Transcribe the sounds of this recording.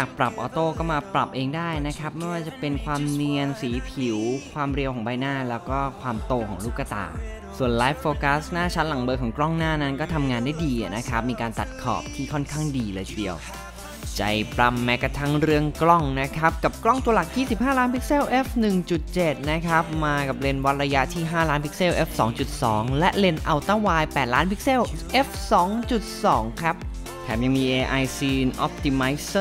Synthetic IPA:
a˨˩k̚pɾa˨˩p̚ʔɔː˧t̪oː˥˩kɔː˥˩maː˧pɾa˨˩p̚ʔeː˧ŋdaː˥˩jna˦˥kʰa˦˥p̚ma˥˩jwaː˥˩t͡ɕa˨˩pe˧nkʰwaː˧mni˧ənsiː˩˦pʰi˨˩˦wkʰwaː˧mɾi˧wkʰɔː˩˦ŋbaː˧jnaː˥˩lɛː˦˥wkɔː˥˩kʰwaː˧mt̪oː˧kʰɔː˩˦ŋluː˦˥˩kːa˧t̪a̰ː˨˩ | su˨˩ənlaː˦˥jfːoː˧ka˦˥snaː˥˩t͡ɕʰa˦˥t̪̚la˩˦ŋbɤː˧kʰɔː˩˦ŋklɔ˥˩ŋnaː˥˩na˦˥nkɔː˥˩t̪ʰa˧mŋaː˧nda˥˩jdiː˧ʔa̰˨˩na˦˥kʰa˦˥p̚miː˧kaː˧nt̪a̰˨˩t̪̚kʰɔ̰ː˨˩p̚t̪ʰiː˥˩kʰɔ˥˩nkʰaː˥˩ŋdiː˧lɤː˧jʰdi˨˧əw | t͡ɕa̰˨˩jpɾa˧mːɛ˦˥ka˧˩t̪ʰa˦˥ŋɾɯ˥˩əŋklɔ˥˩ŋna˦˥kʰa˦˥p̚ka˨˩p̚klɔ˥˩ŋt̪u˧ɐla˨˩k̚jiː˥˩si˨˩p̚haː˥˩laː˦˥npʰi˦˥k̚seː˥˩wʔe˦˥fnɯ˨˩ŋt͡ɕu˨˩t̪̚t͡ɕe˨˩t̪̚na˦˥kʰa˦˥p̚maː˧ka˨˩p̚le˧nwa˦˥t̪̚ɾa˧ja˦˥ʔt̪ʰiː˥˩ɦaː˥˩laː˦˥npʰi̥˦˥k̚se˥˩wʔe˦˥f̚sɔː˩˦ŋt͡ɕu˨˩t̪̚sɔː˩˦ŋlɛ˦˥ʔle˧nʔa˧wt̪a˥˩waː˧jpɛː˨˩t̪̚laː˦˥npʰi˦˥k̚se˥˩wʔe˦˥f̚sɔː˩˦ŋt͡ɕu˨˩t̪̚sɔː˩˦ŋkʰɾa˦˥p̚ | t̪ʰɛː˨˦˥mja˧ŋmiː˧ʔeː˧ʔa˧jsiː˧nʔɔ˦˥p̚t̪i˧ma˦˥js

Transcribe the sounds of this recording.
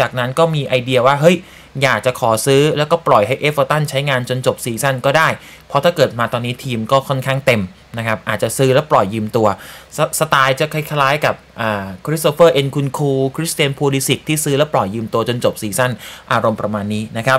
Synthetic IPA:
t͡ɕaː˨˩k̚na˦˥nkɔː˥˩miː˧ʔa˧jdi˧ɐwaː˥˩ɦɤ˦˥˩j | jaː˨˩k̚t͡ɕa˨˩kʰɔː˩˦sɯː˦˥lɛː˦˥wkɔː˥˩plɔ˨˩jɦa˥˩jʔeː˦˥fəː˧t̪a˥˩nt͡ɕʰa˦˥jŋaː˧nt͡ɕo˧nt͡ɕo˨˩p̚siː˨˩˦sa˥˩nkɔː˥˩daː˥˩j | pʰɔ˦˥t̪ʰaː˥˩kɤː˨˩t̪̚maː˧t̪ɔː˧nːiː˦˥t̪ʰiː˧mkɔː˥˩kʰɔ˥˩nkʰaː˥˩ŋt̪e˧m | na˦˥kʰa˦˥p̚ʔaː˨˩t̪̚t͡ɕa˨˩ʔsɯː˦˥lɛ˦˥wplɔ˨˩jːɯː˧mt̪u˧ɐsa˧t̪aː˧jt͡ɕa˨˩kʰa˧˩jkʰa˧laː˦˥jka˨˩p̚ʔaː˨˩kʰɾi˦˥s̚t̪oː˧˥fɤː˥˩ʔe˧nkʰu˧nkʰuː˧kʰɾi˦˥st̪ʰi˧ə˧npʰoː˧li˧si˨˩k̚t̪ʰːiː˥˩sɯː˦˥lɛː˦˥wplɔ˨˩jːɯː˧mt̪u˧ɐt͡ɕo˧nt͡ɕo˨˩p̚siː˨˦sa˥˩nʔaː˧ɾo˧mpɾa˧maː˧nːiː˦˥na˦˥kʰa˦˥p̚

